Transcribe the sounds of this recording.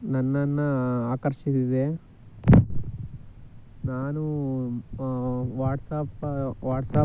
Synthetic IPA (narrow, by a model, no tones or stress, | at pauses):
nɐnːɐnːɐaːkɐɾʂisid̪e | naːnu | ʋaːʈsaːpʋaːʈsaː